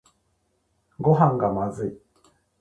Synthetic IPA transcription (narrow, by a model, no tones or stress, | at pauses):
ɡo̞ɦãŋɡamazɨi